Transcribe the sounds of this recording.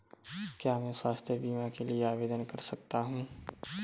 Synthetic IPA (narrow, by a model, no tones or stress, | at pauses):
kjaːmɛ̃ːswaːst̪ʰjəbiːmakelieaːʋeːd̪ənkɐɾsɐk̚t̪aɦũː